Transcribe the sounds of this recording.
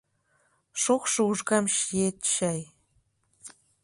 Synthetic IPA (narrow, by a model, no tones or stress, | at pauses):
ʃoχʃŏuʒɣɑmʃijet̪ʃɑj